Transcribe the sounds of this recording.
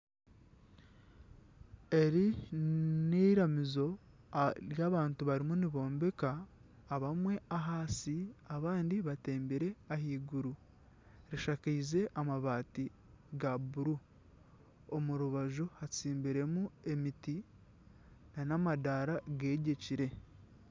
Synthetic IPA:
e̞ɾi | niɾamizo̞ | ɾjaːβaːntuβaɾimuniβo̞ːmbe̞kaː | βamwe̞aɦaːsiaβaːndiβate̞ːmbiɾe̞aɦiːɡuɾu | ɾiʃakaize̞ʔamaβaːti | ɡabuɾu | omuɾuβaʒuhat͡siːmbiɾe̞mue̞miti | nanamadaɾaɡe̞ːɟe̞ciɾe̞

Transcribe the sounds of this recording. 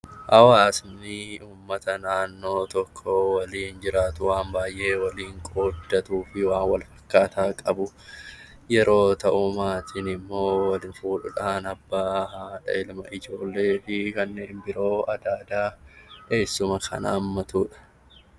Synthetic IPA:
ʔhɐwaːsnnɪuːmːɐt̪ɐnaːnːo̞ːt̪ɔkʰːɔwɐliːnd͡ʒɪɾaːt̪ʊwaːnbaːjʔe̞ːwɐliːŋkʼo̞ːd̪ːɐt̪uːfɪwaːnwɐlfɐ̥kːaːt̪ʰaːkʼɐbʊ | jɛɾo̞ːt̪ɐʔʊmaːt̪ʰɪnɪmːo̞ːwɐlɪnfuːᶑʊ̰ᶑaːnɐbːaːhaːᶑɐ̰ɪlmɐʔɪd͡ʒo̞ːlːe̞ːfɪkɐnːe̞ːnbɪɾo̞ːɐd̪aːd̪aːᶑe̞ːsːʊmɐkʰɐ̰na̰ːmːɐt̪uːᶑɐ̥

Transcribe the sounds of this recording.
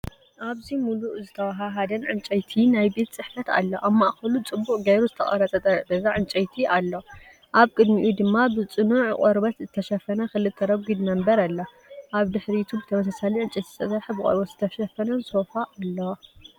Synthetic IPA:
ʔaβzimuluʔzɨt̪ʰɐwaɦaɦad̪ɐnʕɨnt͡ʃʼɐjt̪ʰinajbe̞t̪t͡sʼɨħfɐt̪a̰lːoʔaβmaʔxɐlut͡sʼɨbːuʔʼɡɐjɾuzɨt̪ʰɐχʼɐɾɐt̪ʼɐt̪ʼɐɐzaʕɨnt͡ʃʼɐjt̪ʰiʔalːo | ʔaβkʼɨd̪miʔud̪ɨmːabɨt͡sʼɨnuʕqʼoɾbɐt̪zɨt̪ʰːɐʃɐfɐnɐxɨlɨt̪ʰːɐɾɐɡʷid̪nɐmbɐɾalːo | ʔaβd̪ɨħɾit̪ʰubɨt̪ʰɐmɐsasaliʕɨnt͡ʃʼɐjt̪ʰiz̥ɨ̥st̪ʰɐsɐɾħbɨkʼo̰ɾbɐt̪z̥ɨt̪ʰɐʃɐfɐnɐnsofaʔːlːo

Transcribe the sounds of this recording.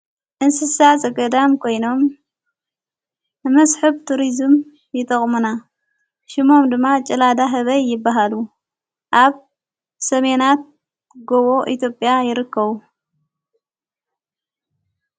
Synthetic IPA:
ʔɨnsɨsazʼɐɡɐd̪amkʰo̞jno̞m | nɨmɐsħɨβt̪ʰuɾizɨm | jɪt̪ʼɐkʼmuna | ʃɪmo̞md̪ɨmːat͡ʃʼɨlad̪aɦɨβɐjːɪbːaɦalu | ʔaβ | sɐmenat̪̚ | ɡoβo̞ʔḭt̪ʰjo̞pʼjajɪɾɨkʰːɐβu

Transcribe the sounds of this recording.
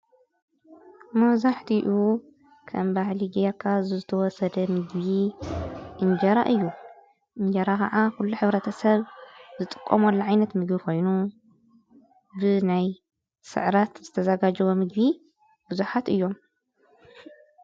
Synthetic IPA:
mɐβzaħt̪ʰiʔu | kʰɐmbahliɡijakʰːazuzɨt̪ʰɐwɔsɐd̪ɐmɨɡbi | ʔɨnd͡ʒɐɾa̰ʔɨjːu | ʔɨɲd͡ʒɐɾakaʕakulːuħɨβɾɐt̪ʰɐsɐβzɨt̪ʼɨkʼːomolːɐʕajnɐt̪mɨɡbiko̞jnu | bɨnaj | sɨ̰ʕɾat̪zɨt̪ʰɐzɐɡad͡ʒɐwomɨɡbi | buzuħat̪ɨjːo̞m

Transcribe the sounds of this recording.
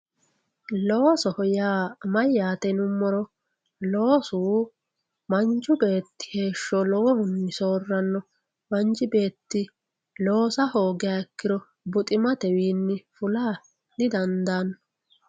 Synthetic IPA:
loːsɔhɔjaːmɐjːaːt̪ɛnʊmːɔɾɔ | lo̞ːsuː | mɐnt͡ʃʊbe̞ːt̪ːɪ̥he̞ːʃːɔlɔwɔhʊnːɪso̞ːrːɐnːɔ | bɐnt͡ʃɪbe̞ːt̪ːɪ | lo̞ːsɐho̞ːɡɛjakːɪɾɔ | bʊt̪ʼɪmɐt̪ɛwiːnːɪfʊlaː | d̪ɪd̪ɐnd̪aːnːɔ

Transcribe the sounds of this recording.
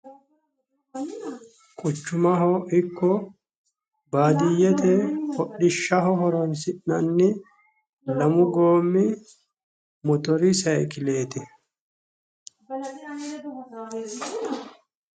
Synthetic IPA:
kʼʊt͡ʃːʊmɐhɔɪkːɔ | baːd̪ɪjːɛt̪ɛfɔɗːɪʃːɐɦɔɦɔɾɔnsɪʔnɐnːɪ | nɐmʊɡo̞ːmːɪ | mɔt̪ɔɾɪsɐjɛkɪle̞ːt̪ɪ

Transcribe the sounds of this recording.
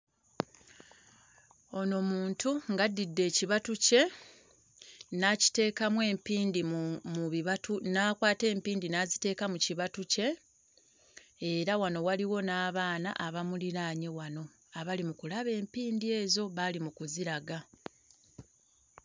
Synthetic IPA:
o̞no̞muːntuŋɡadidːe̞ːciβatuce̞ | naci̥te̞ːkamwe̞ːmpiːndimuβatunakwaːte̞ːmpiːndinazite̞ːkamuciβatuce̞ | ɾawano̞waliwo̞naːβaːna̰ʔaβamuliɾaːɲe̞wano̞ | aβalimukulaβe̞ːmpiːndie̞ːzo̞βalimukuziɾaɡa

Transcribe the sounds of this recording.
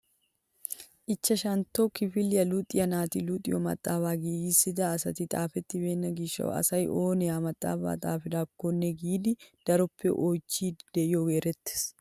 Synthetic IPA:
ʔɪt͡ʃːɐʃɐnt̪oːkɪfɪljɐlʊt̪ʼɪjɐnaːt̪ilʊt̪ʼɪjomɐ̰t̪ʼːaːbaːɡiːjɪsɪd̪aɐsɐt̪ɪt̪ʼaːfɛt̪ːɪbeːnːɐɡɪʃɐ̰ɐ̰sɐjʔoːnɛaːmɐt̪ʼːa̰ːba̰ːt̪ʼa̰ːfɪd̪aːkːonːɛɡiːd̪ɪd̪̥ɐɾɔpːɛ̰ʔoːt͡ʃːiːdd̪̥ɛjoːɡeːɾɛt̪ːɪ̥s

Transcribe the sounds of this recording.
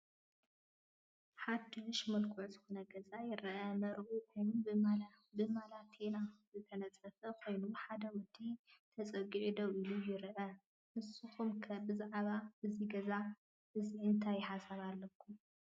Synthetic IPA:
ħad̪oʃmɐlkʰuʕzʼɨ̥kunɐɡɐt͡sʼajɪɾʔɐmɐɾʔukʰojnubɨma | bɨmalat̪ʰenazɨt̪ʰɐnɐt͡sʼɐfɐkʰo̞jnuħad̪ɐwɔd̪it̪ʰɐt͡sʼɐβɡiʕid̪owɨjujɪɾʔɐ | hɨsuxumkʰɐbɨzaʕβaʔɨziɡɐza | ʔɨziɨnt̪ʰajɪħasaβalːɐkʰːum

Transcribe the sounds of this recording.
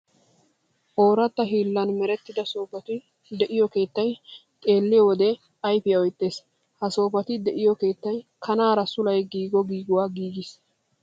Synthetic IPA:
ʔoːɾɐt̪ːɐɦiːlːɐnmɛɾɛt̪ːɪd̪ɐsoːpɐt̪ɪ | d̪ɛʔɪjɔke̞ːt̪ːɐjt̪ʼe̞ːlːɪjɔwɔd̪ɛ | ɐjpɪjɐɔjt̪ʼːe̞ːs | hɐso̞ːpɐt̪ɪd̪ɛʔɪjɔke̞ːt̪ːɐjkʰɐnaːɾɐsʊlɐjɡiːɡɔɡiːɡʊwaːɡiːɡɪs

